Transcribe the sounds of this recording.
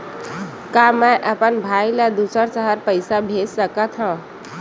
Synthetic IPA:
kamɛ̃ʔəpənbʱaːiləd̪usəɾsəɦəɾpəɪsabʱeːssəkət̪ɦã

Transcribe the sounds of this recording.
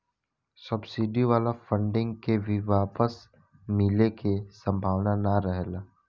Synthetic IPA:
səbsiːɖiʋaːlafʰə̃ɳɖɪ̃ŋɡkebʱiʋaːpəs | milekesə̃mbʱaːʋnanaɾəɦelaː

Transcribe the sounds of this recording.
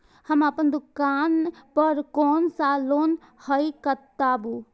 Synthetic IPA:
həməpənd̪ukanpəɾkɔːnsalon | həjkət̪abu

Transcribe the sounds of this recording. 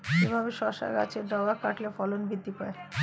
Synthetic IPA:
d͡ʒebʱabeʃɔʃa̰ɡa̰t͡ɕʰeɾɖɔɡakaʈlefɔlonbid̪ːipae

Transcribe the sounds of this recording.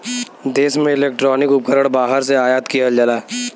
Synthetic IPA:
d̪eːsmẽɪleːk̚ʈɾɔːnɪkʊp̚kəɾəɽbaːɦəɾseaːjaːt̪kijald͡ʒalaː

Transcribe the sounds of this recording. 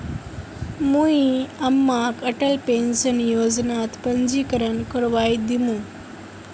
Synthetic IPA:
muiɐmːakəʈəlpensənjoːd͡ʒnaːt̪pəɲd͡ʒiːkəɾənkəɾʋaːjd̪imũ

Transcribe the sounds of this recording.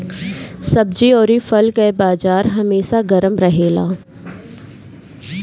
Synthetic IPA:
sɐb̚d͡ʒiɔːɾifɐlkɛbaːzaːɾɦɐmeːʃaɡɐɾəmɾɐɦeːla̰ː

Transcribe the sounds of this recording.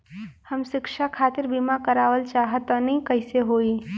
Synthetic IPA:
həmʃɪkʃakʰaːt̪ɪɾbimakəɾaːʋəlt͡ʃaːɦət̪ɔnĩkəɪseɦoːi

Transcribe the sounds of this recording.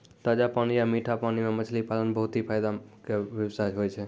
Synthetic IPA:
t̪ad͡ʒapaniamiʈʰapanimẽmət͡ʃʰlipalənbəɦʊt̪ipʰaːjd̪akeʋjəwsajɦoːjt͡ʃʰe

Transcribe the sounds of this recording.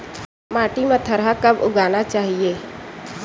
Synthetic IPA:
maːʈimẽt̪ʰəɾɦakɐbʊɡaːnat͡ʃaːɦieː

